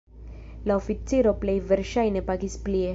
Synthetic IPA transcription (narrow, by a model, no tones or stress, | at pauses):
laofit͡siɾoplejveɾʃajnepaɡisplie